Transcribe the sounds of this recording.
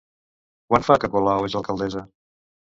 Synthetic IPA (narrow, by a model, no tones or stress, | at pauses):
kwanfakəkolawezəlˠkəlˠd̪ɛzə